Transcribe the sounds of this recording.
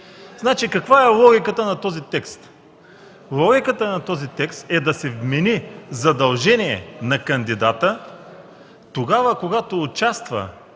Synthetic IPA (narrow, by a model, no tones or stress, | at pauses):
znat͡ʃikɐkvaɛlˠɔɡʲikət̪ənɐt̪ɔzit̪ɛkst̪ | lˠɔɡʲikət̪ənɐt̪ɔzit̪ɛkst̪ɛd̪ɐsɛvmɛnizɐd̪ɐlˠʒɛniɛ̰nɐkɐnd̪id̪at̪ə | t̪oɡavəkoɡat̪oːt͡ʃast̪və̰